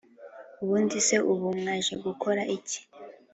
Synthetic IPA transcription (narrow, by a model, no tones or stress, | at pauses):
uβuːndise̞ʔuβumŋaʒeɡuko̞ɾaʔici̥